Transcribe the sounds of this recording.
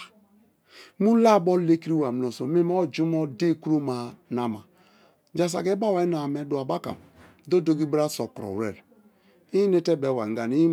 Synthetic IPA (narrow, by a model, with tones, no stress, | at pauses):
mu˦la˦˨bɔ˦le˦ki˦ɾi˦wa˨m˨o˨so˨mi˦mɔ˦d͡ʒu˦mɔ˦de˦˨ku˦ɾo˦ma˨na˨ma˨ | d͡ʒa˨s̬a̰˨ɡɛ˦ba˦wa˨i˦na˨mɛ˨˦du˨a˨ba˦ka̰˨m | do˦do˦ɡi˦bɾa˦sɔ˨kɾɔ̰˨wɾɛ̰˨ɾ | i˦ne˦tɛ˦bɛ˨wa˨ŋ˨ɡa˨ni˦